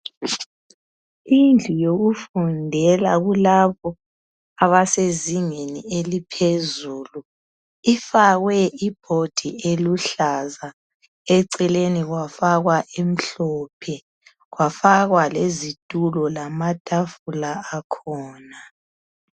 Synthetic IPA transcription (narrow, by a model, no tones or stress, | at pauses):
ind͡ɮʱujoɣufundʱɛlaɣulaβɔ | aβaseziŋenielipʰezuːlu | ifaɣwɛib̥ʱod̥ʱḭeluɬaza | ɛǀɛleniɣwafaɣwaʔem̩ɬɔːpʰɛ | ɣwafaɣwalezid̥ʱʼulɔlamad̥ʱafulaːkʰɔːna